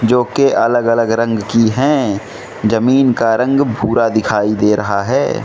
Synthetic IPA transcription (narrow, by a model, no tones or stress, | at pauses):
d͡ʒoːkeʔɐləɡələɡɾə̃ŋɡkiɦɛ̃ | d͡ʒɐmiːnkaɾə̃ŋɡbʱuːɾad̪ɪkʰaːid̪eːɾɐɦaɦɛ̰ː